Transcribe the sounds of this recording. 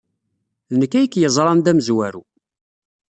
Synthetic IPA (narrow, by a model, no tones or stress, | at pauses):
nəkːæjəkːjəzˤɾˤɑnd̪æməzwæɾṵ